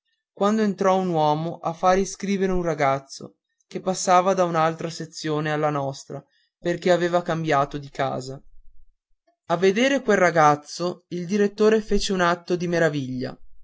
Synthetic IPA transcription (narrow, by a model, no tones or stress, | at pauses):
kwand̪oent̪ɾɔunwɔːmoʔafːaɾiskɾiːveɾeunraɡat̪sːo̰ | kepːasːaːvad̪aunalt̪ɾaset̪sːjoːnealːanɔst̪ɾa | perkeaveːvakambjaːt̪od̪ika̰ːza | avːed̪eːɾekwelraɡat̪sːoild̪iɾet̪ːoːɾefeːt͡ʃeunat̪ːod̪imeɾaviʎːa̰